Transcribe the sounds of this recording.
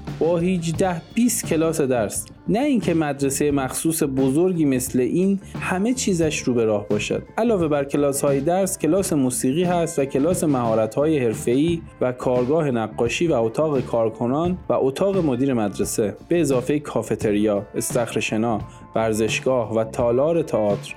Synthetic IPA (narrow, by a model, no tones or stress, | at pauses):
b̥ɒːhiːd͡ʒd̪æhb̥iːst̪cʰe̞lɒːse̞d̪æɾs | næiːncʰe̞mæd̪ɾesejemæxsuːse̞bozoɾɟiːme̞sle̞ʔiːnhæme̞t͡ʃʰiːzæʃɾuːbe̞ɾɒːhbɒːʃæ̰d̪̥̚ʔælɒːve̞bæɾcʰe̞lɒːshɒːjed̪æɾscʰe̞lɒːse̞muːsiːɣiːhæst̪væcʰe̞lɒːse̞mæhɒːɾæt̪hɒːje̞he̞ɾfe̞iː | vækʰɒːɾɡɒːhe̞næɡːɒːʃiːvæot̪ʰɒːɣe̞kʰɒːɾkʰo̞nɒːnvæʔot̪ʰɒːɣe̞mod̪iːɾe̞mæd̪ɾese̞b̥e̞ːzɒːfe̞jekʰɒːfe̞t̪ʰe̞ɾijɒːest̪æxɾeʃe̞nɒː | væɾze̞ʃɡ̥ɒːhvæt̪ʰɒːlɒːɾe̞t̪ʰɑɒːt̪ʰɾ